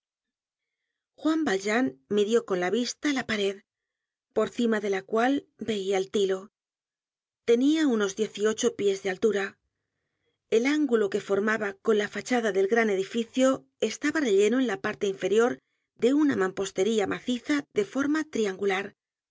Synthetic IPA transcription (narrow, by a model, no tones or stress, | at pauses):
xwambalʒanmiðjo̞ko̞nlaβist̪alapaɾe̞ð | po̞ɾθimaðe̞lakwalbe̞iaelt̪ilo̞ | t̪e̞niauno̞zðje̞θio̞t͡ʃo̞pje̞zðealt̪uɾa | e̞laŋɡulo̞ke̞fo̞ɾmaβako̞nlafat͡ʃaðaðe̞lɣɾane̞ðifiθjo̞ | e̞st̪aβare̞ʎe̞no̞enlapaɾt̪eiɱfe̞ɾjo̞ɾ | d̪e̞unamãmpo̞st̪e̞ɾiamʔaθiθaðe̞fo̞ɾmat̪ɾiaŋɡulaɾ